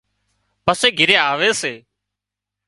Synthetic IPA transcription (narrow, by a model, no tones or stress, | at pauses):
pəseːɡʱɪɾeːaːʋeːseː